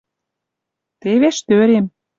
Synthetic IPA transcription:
t̪eβeʃt̪øɾem

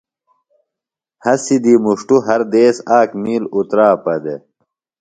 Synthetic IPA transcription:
hɐsid̪imuʂʈuɦɐɾd̪eːsaːkmiːlut̪ɾaːpɐd̪e

